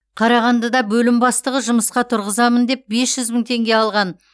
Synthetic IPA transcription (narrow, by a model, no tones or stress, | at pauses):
qʰɑɾɑʁɑnd̪ɑd̪ɑbɵlɪmbɑst̪əʁəʒʊməsqɑt̪ʰʊɾʁəzɑmənd̪e̞p̚be̞sʒ̥ʏzmɪŋt̪ʰe̞ŋɡʲe̞ɑlˠʁɑn